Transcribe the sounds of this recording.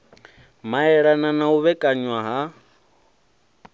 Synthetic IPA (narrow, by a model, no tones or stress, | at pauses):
maɦɛɺananauβɛkʼaɲwaɦa